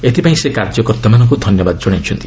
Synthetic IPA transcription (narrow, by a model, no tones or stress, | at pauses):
et̪ipaĩsekaɾd͡ʒɔkɔɾt̪amanɔŋk̬ud̪ʱɔnjɔbad̪ɔd͡ʒɔɽ̃it͡ʃʰɔnt̪i